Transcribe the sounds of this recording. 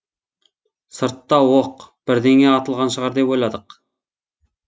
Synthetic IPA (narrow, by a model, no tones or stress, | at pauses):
sɨɾt̪ːɑwoqb̥ɪɾd̪eŋɛɑt̪ʰəlˠʁɑnʃəʁɑɾd̪epojlˠɑd̪əq